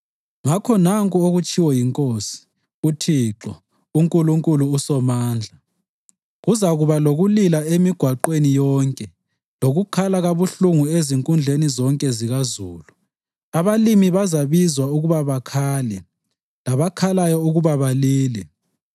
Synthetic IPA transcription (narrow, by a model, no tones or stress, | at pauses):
ŋakʰɔnaŋkʼuoɣut͡ʃʼiwɔjiŋkʼosi̥ | utʰiːǁɔ | uŋkʼuluŋkʼuluːsɔmaːnd͡ɮʱa | ɣuzaɣuβaloɣulilaemiɡ̥ʱwaǃwenijɔːŋkʼɛ | loɣukʰalaɣaβuɬuŋueziŋkʼund͡ɮʱenizɔŋkʼɛziɣazuːlu | aβalimiβazaβizwauɣuβaβakʰaːlɛ | laβakʰalajɔuɣuβaβaliːlɛ